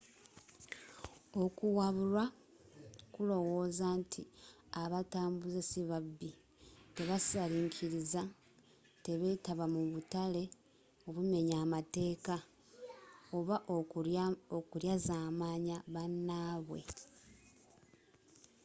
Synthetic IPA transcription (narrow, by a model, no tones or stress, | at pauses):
o̞kuwaβulwa | kulo̞wo̞zaːntʰḭ | aβataːmbuzesiβabːi | te̞βasaliɲkʰiɾiza | te̞βe̞ːtaβamuβutale̞ | o̞βume̞ɲaːmate̞ːka | o̞βaʔ | okuɾjazaːmaːɲaβanːaːβwe̞̰